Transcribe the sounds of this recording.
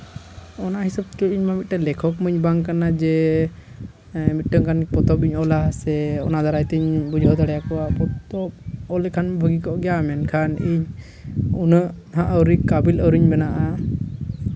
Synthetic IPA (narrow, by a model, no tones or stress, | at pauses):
ɔnaʔɦisab̚t̪kəiɲmamit̪̚ʈalɛkʰɔkməɲbaŋkanad͡ʒɛ | mit̪̚ˀʈəŋkʰanpɔt̪ɔpiɲɔlasɛɔnad̪aɾajt̪ɛɲbud͡ʒʱɔd̪aɽɛjakɔwapɔt̪ɔp̚ɔlɛkʰanbʱəɡikɔʔɡɛjamɛnkʰaniɲ | unəʔ | ɦaʔəwɾikabiləwɾiɲbɛnaʔa